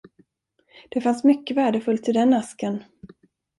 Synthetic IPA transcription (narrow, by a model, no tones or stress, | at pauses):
d̪̥ɛfansmʏkːəvæːɖəfɵlt̪ʰɪld̪ɛnːaskən